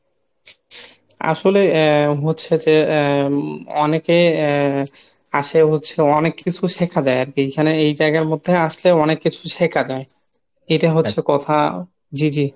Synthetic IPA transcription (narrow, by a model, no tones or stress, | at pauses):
a̰ʃoleɦotːɕʰed͡ʑe | ɔneke | aʃeɦotːɕʰeɔnekːit͡ɕʰuʃekʰad͡ʑaeaɾkiekʰaneejd͡ʑaeɡaɾmod̪ʱːeaʃleɔnekːit͡ɕʰuʃekʰad͡ʑae | ejʈaɦotːʰekɔt̪ʰa | d͡ʑid͡ʑi